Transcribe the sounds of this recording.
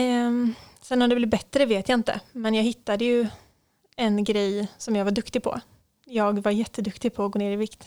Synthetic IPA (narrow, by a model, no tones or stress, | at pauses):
sɛnːɔmd̪ɛblɪbɛt̪ːɾəveːt̪jaɪnt̪ə̰mɛnjɑːɡɦɪt̪ːad̪əjɵ | ɛnɡɾɛjsɔmjɑːɡvaɖɵkt̪ɪɡ̚pʰɔ̰ | jɑːɡvaɾjɛt̪ʰːəd̪ɵkt̪ɪɡpʰɔːɡoːneːɾɪvɪkt̪